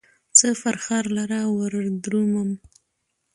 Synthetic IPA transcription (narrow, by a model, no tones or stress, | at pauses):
t͡səfaɾxaɾlaɾawəɾd̪ɾuməm